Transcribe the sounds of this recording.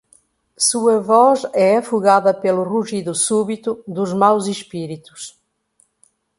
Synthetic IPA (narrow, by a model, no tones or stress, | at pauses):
suɐvɔzɛɐfuɣaðɐpeluruʒiðusuβit̪ud̪uzmawziʃpiɾit̪u̥s